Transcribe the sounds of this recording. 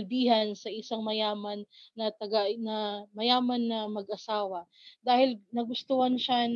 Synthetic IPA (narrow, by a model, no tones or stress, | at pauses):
lbiːɦɐnsɐʔɪsaŋmɐjaːmɐnːɐt̪ɐɡanɐmɐjaːmɐnːɐmɐɡʔɐsaːwɐ | d̪aːhɪlnɐɡʊst̪ʊhɐnʃa